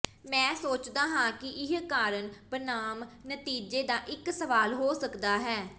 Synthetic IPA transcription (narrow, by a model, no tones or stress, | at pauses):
mɛ̃ːsoːt͡ʃd̪aːɦãːkɪʔɪɦkaːɾənbənaːmnət̪iːd͡ʒeːd̪aːʔɪksəʋaːlɦoːsəkd̪aːɦɛː